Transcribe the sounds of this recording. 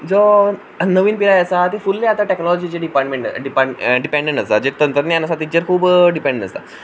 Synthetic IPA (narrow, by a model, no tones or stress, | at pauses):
d͡zɔ | nəʋiːnpilajəsat̪efulːeat̪aʈeknɔlɔd͡ʑit͡ɕeɖipaʈmẽɳʈɖipaɖipẽɳɖẽɳʈəsad͡ʑet̪ənt̪ɾət̪nanəsat̪it͡ɕeɾkʰuːbɖipẽɳɖẽəst̪a